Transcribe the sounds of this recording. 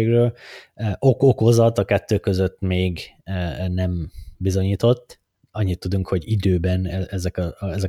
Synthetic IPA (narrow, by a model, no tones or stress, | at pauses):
eːɡrøːlʔo̞koko̞zɒt̪ɒkɛt̪ːøːkø̞zøt̪ːmeːɡ | nɛmbizo̞ɲiːt̪o̞t̪ː | ɒɲːit̪ːud̪uŋkho̞ɟid̪øːbɛnɛɛzɛkɒɛzɛ